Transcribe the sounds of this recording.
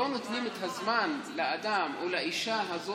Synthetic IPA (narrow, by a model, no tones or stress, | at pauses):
onot̪nimet̪hazmanlead̪amʔolaʔiʃaɦazo